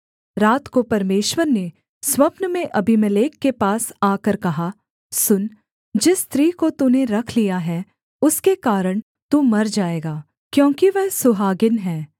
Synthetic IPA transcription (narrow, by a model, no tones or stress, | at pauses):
ɾaːt̪kopɐɾmeːʃwəɾne | swɐpnmẽʔɐbʱɪmɐleːkːepaːsaːkəɾkɐɦa | sʊn | d͡ʒɪst̪ɾiːkot̪unẽɾɐkʰlijaɦɛ | ʊskekaːɾəɽ̃ | t̪umɐɾd͡ʒaːeːɡaː | kjõːkiʋɛɦsʊɦaːɡɪnɦɛ̃ː